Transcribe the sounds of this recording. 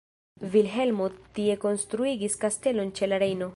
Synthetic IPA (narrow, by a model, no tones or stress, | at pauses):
vilɦe̞lmotie̞ko̞nstɾuiɡiskaste̞lo̞nt͡ʃe̞laɾe̞jno̞